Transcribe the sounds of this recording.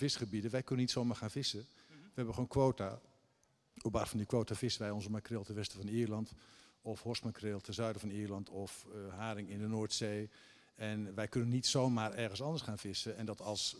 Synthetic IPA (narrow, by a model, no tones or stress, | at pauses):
v̥ɪsχəbidəʋɛjkɵnənitsoːmaːɹχaːnvɪsə | ʋəɦɛbəχoːnkʋoːta | obaːzsfɔndikʋowtavɪsəʋɛjɔnzəmakrɪːlˠtɛnʋɛstəvɔniːrlɑntɔfhɔsmakrɪːlˠtʰɛnzœɥdəvɑniːrlɑntɔfɦaːɾɪŋɪndənoːɹtsej | ɛnʋɛjkønənːitsowmaːrɛrɣənsɑndəsχaːnvɪsəɛndɔtɑlˠs